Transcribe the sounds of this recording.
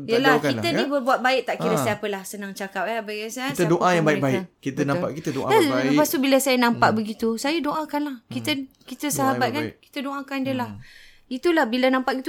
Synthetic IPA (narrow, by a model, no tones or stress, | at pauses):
jəlakkit̪ənibərbuat̪̚baɪk̚t̪aʔkiɾəsajapəlahsənaŋt͡ʃakap̚abaɡasaasədoʔajãŋbaɪbaɪʔkit̪ənãmpa̰ʔkit̪ədoʔaaəpast̪ubiləsajanãmpaʔbəɡit̪usajadoʔãkanlahkit̪əkit̪əsaɦabat̪̚kanki̥t̪ədoʔãkandiəlah | it̪ulahbilənãmpaʔɡit̪u